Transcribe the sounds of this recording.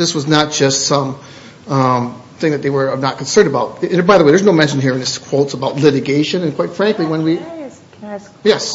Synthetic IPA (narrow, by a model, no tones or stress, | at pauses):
ðɪswʌznət̚d̥ʒ̥ʌstsʌ̃m̃ | m | θɪ̃ŋðɨt̪̚ðeɪwə˞nət̚kʰn̩sɜ̃˞ndəbaʊt̚baɪðəweɪðə˞znoʊmɛ̃nʃɨ̃nɦiɹɨ̃nðɪskʰw̥oʊtsəbaʊtˡlɪɾɨɡeɪʃɨ̃nɨ̃nkʰw̥aɪtfɹæ̃ŋkliwə̃nwi | jɛs